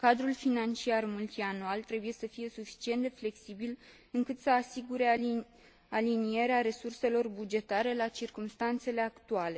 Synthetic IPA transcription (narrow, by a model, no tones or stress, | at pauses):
kad̪ɾulfinant͡ʃiarmult̪ianualt̪ɾe̞buje̞səfije̞sufi̥t͡ʃie̞nd̪e̞fle̞ksibil | ɨŋkɨt̪səasiɡuɾe̞ | alinie̞ɾeaɾe̞surse̞lo̞rbud͡ʒe̞t̪aɾe̞lat͡ʃirkumst̪ant̪se̞le̞akt̪uale̞